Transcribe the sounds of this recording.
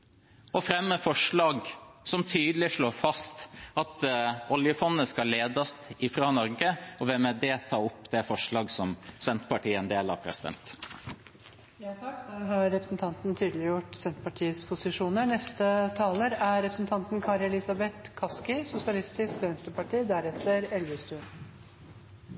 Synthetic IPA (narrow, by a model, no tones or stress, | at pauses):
ɔfɾɛmːəfɔʂɭɑːɡsɔmt̪ʰyːd̪əlɪʂɭoːɾfɑst̪ɑt̪ʔɔljəfɔnːəskɑleːd̪ɑst̪ɪfɾɑːnɔɾɡəɔʋɛmɛd̪ɛt̪ʰɑːɔpːd̪ɛfɔʂɭɑːɡsɔmsɛnt̪pɑʈiːəɛnd̪eːlɑ̰pʰɾɛ̰sɪd̪ɛ̰nt̪ | jɑːt̪ʰɑkd̪ɛɦɑɾːɛpɾəsnt̪ʰɑnt̪nt̪ʰyːd̪lɪjʊʈsɛnt̪pɑʈʰiːəspʰʊsɪʂuːnənɛst̪ət̪ʰɑːləɾæɾɛpɾəsn̩t̪ʰɑnt̪nkʰɑɾɛlɪsɑbɛt̪kʰɑskɪsʊsɪɑlɪst̪ɪskʋɛnst̪ɾəpɑʈiːd̪æɾɛt̪ːəɾɛlʋəst̪ʉːn